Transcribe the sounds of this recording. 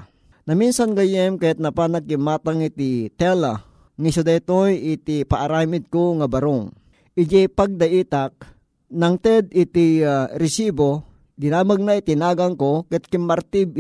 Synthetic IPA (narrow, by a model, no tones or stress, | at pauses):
nɐminsanɡajɛmkɐjat̪̚nɐpanakːɪmːaːt̪aŋɪt̪it̪ɛla | ŋisʊd̪at̪ojɪt̪ipaʔaɾaːmɪd̪̚koŋabɐɾoŋ | ʔɪd͡ʒɛpaɡ̚d̪ɐʔiːt̪ak̚ | naŋt̪ɛd̪ɪt̪iɾɪsibo | ɡɪnaːmaɡ̚nait̪ɪnaːɡɐŋkokɐt̪̚kɪmːɐɾt̪ɪb̚